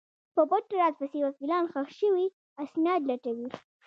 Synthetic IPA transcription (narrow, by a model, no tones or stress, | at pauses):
pəboʈaɾɑt̪̚pasewakilɑnxaxʃəwi | asnɑd̪laʈawi